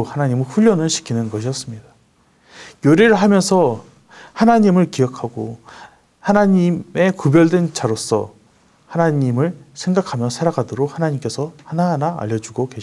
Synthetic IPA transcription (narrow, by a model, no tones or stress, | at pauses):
hanaɲimɯɭɸuʎːʌnɯɭɕʰi̥kʰinɯnɡʌɕʰiʌs͈ɯmɲida | joɾiɾɯɭɦamjʌnsʰʌ | hanaɲimɯɭkiʌkʰaɡo | hanaɲime̞kubjʌɭdwe̞nt͡ɕaɾos͈ʰʌ̰ | hanaɲimɯɭsʰe̞ŋɡakʰamjʌsʰaɾaɡadoɾok̚hanaɲimk͈e̞sʰʌhanaɦnaa̰ʎːʌd͡ʑuɡokeɕʰ